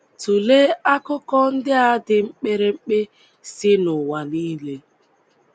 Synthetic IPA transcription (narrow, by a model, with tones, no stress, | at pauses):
tu˨le˦a˦kʊ˦kɔ˦n̩˦dɪ˦a˦dɪ˨ŋ͡m̩˦k͡pe˦ɾe˦ŋ͡m̩˦k͡pe˦ | sɪ˦nʊ˨wa˨niː˦le˦